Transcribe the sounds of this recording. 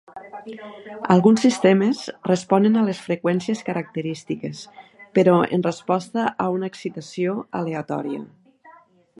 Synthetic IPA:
alˠɣunsːist̪emesrespɔnenalesfɾekwɛnsieskəɾak̚t̪əɾist̪ikespeɾɔḛnrespɔst̪əʔaunaːksit̪asioaleat̪ɔ̰ɾiə̰

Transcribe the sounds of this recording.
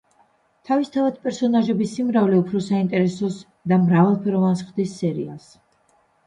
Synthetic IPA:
t̪ʰavist̪ʰavad̪pʼɛɾsɔnaʒɛbisimɾavlɛupʰɾɔsaint̪ʼɛɾɛsɔs | d̪amɾavɛlˠpʰɛɾɔvansχd̪isːɛɾḭa̰s

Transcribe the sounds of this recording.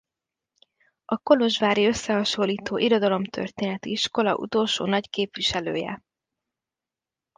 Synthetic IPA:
ɒko̞lo̞ʒʋaːɾiø̞sːɛɦɒʃo̞lːiːt̪oːʔiɾo̞d̪ɒlo̞mt̪ʰø̞̰rt̪eːnɛt̪iiʃko̞lɒ̰ʔṵt̪oːlʃo̰ːnɒɟkeːpʋiʃɛlø̰ːjɛ̰

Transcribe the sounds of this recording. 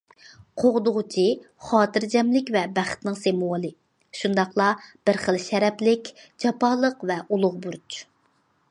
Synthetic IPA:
qʰoʁd̪ʊʁʊt͡ʃʰi | χɑːt̪ʰɨɾd͡ʒɛmlɪkʲvɛbæχt̪nɪŋsemuwɑlˠɨ | ʃund̪ɑχlˠɑb̥ɪɾχəlʃɛɾɛplɪkʲd͡ʒɑpɑːlˠəqvɛʔulˠʊʁbuɾt͡ʃ

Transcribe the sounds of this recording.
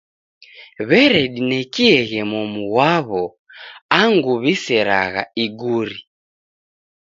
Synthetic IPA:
βɛɾɛɗinɛkiɛɣɛmɔmuwaβɔ | aŋɡuβisɛɾa̰ɣa̰iɡuɾi

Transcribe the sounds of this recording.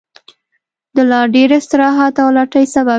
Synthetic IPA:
d̪əlɑɖeɾɪst̪ɪɾɑɦat̪awlɑʈəjsaba

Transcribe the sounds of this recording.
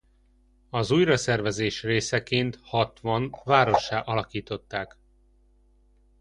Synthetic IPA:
ɒzuːjrɒsɛrvɛzeːʃreːsɛkeːnt̪hɒt̪ʋɒnvaːɾo̞ʃːaːʔɒlɒkiːt̪o̞t̪ːaːk

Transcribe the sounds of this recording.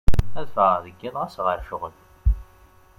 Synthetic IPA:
æðfəʁðəɡːɪðˤʁæsʁəɾʃʊʁəl

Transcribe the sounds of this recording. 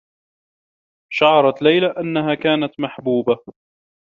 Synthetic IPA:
ʃaʕɑɾˤɑt̪lajlaʔanːaɦaːkaːnat̪maħbuːba

